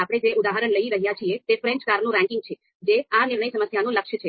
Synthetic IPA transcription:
apəɽ̃ed͡ʒeʔʊd̪aɦaɾəɳləiɾəɦjat͡ʃʰiet̪efɾɛ̃ɲt͡ʃkaɾnũɾɛ̃ŋkɪ̃ŋɡ̚t͡ʃʰe | d͡ʒeanɪɾɳəisəməsjanũləkʃət͡ʃʰe

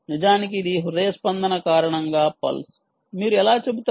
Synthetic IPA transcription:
nid͡ʒaːnik̬iːd̪iɦud̪ɐjɐspɐnd̪ɐnɐkaːɾɐɳɐŋɡaːpɐ̰ls | miːɾuɛlaːt͡ʃe̞but̪ː

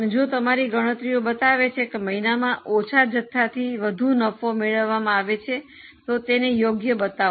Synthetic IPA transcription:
ned͡ʒot̪əmaɾiɡəɽ̃ət̪ɾiobət̪aʋet͡ʃʰekeməɦinamãʔot͡ʃʰad͡ʒət̪ʰːat̪ʰiʋəd̪ʱunəfomeɭəʋːamãaʋet͡ʃʰe | t̪ot̪enejoɡjəbət̪a

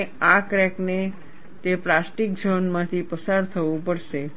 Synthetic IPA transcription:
akɾɛkne | t̪eplasʈik̚d͡ʒʱənmãt̪ʰipəsaɾt̪ʰəʋũpəɽʃe

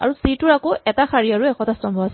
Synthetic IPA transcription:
a̰ɹusitʊɹakoɛtaxʰaɹiaɹuɛkʰɔtastɔmbʱɔas

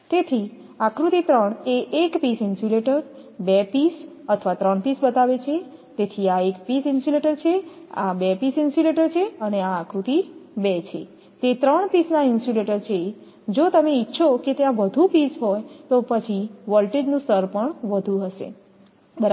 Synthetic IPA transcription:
t̪et̪ʰi | ãkɾut̪it̪ɾəɳeʔːkpisinsuleʈəɾbepisət̪ʰəʋat̪ɾəɳpisbət̪aʋet͡ʃʰet̪et̪ʰiaekpisinsuleʈəɾt͡ʃʰeabepisinsuleʈəɾt͡ʃʰeəneaakɾut̪ibet͡ʃʰḛ | t̪et̪ɾəɳ̃pisnainsuleʈəɾt͡ʃʰe | d͡ʒot̪əmeitːʃʰoket̪jãʋəd̪ʱupisɦojt̪opət͡ʃʰiʋɔlʈed͡ʒnũsəɾpəɳʋəd̪ʱũɦəʃḛ | bəɾ

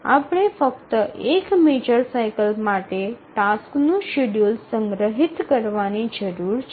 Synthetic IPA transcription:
a̰pɳ̃efəkt̪əʔekmed͡ʒəɾsajkəlmaʈeʈasknũʃeɖjulsə̃ŋɡɾəɦit̪kəɾʋanid͡ʒəɾuɾt͡ʃ

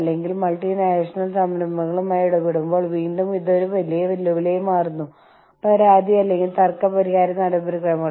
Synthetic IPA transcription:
lːe̞ŋɡilmɐlʈinaːʂɐnɐlsɐmɾɐmːɐɣɐɭumaːjuɽupːeɽumbo̞ːɭʋiːɳɖumiðoɾuʋɐlijɐʋilːɐʋilejumaːrunːu | ɐɾaːd̪iɐlːe̞ŋɡilt̪ɐrkːɐpɐɾiɣaːɾɐnːɐɽɐbɐɾukːɐɻɐmɐ

